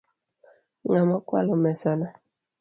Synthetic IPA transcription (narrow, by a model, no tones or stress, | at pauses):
ŋamɔkwa̰lɔmɛsana